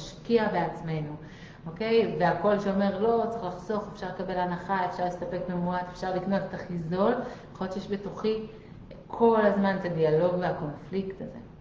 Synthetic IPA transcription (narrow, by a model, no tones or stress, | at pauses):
ʃkiabeat͡sme̞nu | oke̞jve̞ako̞lʃeo̞me̞ʁlo̞t͡seχlaχso̞χefʃaʁlekabe̞lhanaχaefʃaʁlest̪ape̞kmemuatefʃaʁlikno̞t̪et̪aχizo̞leχojott͡ʃejeʃbe̞tuχi | kʰo̞lazmanet̪adialo̞ɡveako̞nfliktazḛ